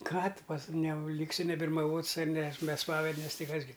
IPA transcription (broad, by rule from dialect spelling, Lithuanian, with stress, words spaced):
ˈkɑː tʊ pɐs nʲɛ ˈlʲiːksʲɪ nʲɛbʲɪrmɐˈʋoːts ˈnʲɛ s bʲɛ ˈspɑːʋʲɛdʲnʲɛs ˈtɐɪ ˈkɐs ɡʲɪ